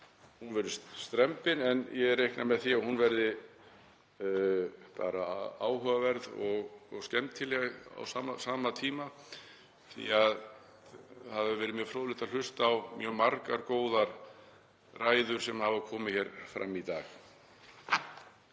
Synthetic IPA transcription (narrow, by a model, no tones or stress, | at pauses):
hunvɛɾðʏsst̪ɾɛmpɪnɛnjɛɛɾːejhknamɛðθiahunvɛɾðɪ | pa̰ːɾaaːwɦœːvavɛɾðɔɣɔscɛmt̪t̪ʰːɪlɛɣa̰wsaːmasaːmat̪ʰiːma | θḭað | haðvɛɪɾvɛːɾɪmjœfɾoːðlɪht̪al̥ʏst̪ːwmjœːmaɾka̰ɾkoːwðaɾ | raːjðʏɾ̥sɛmhavakʰɔːmɪçjɛɾfɾa̰mːit̪a̰ːx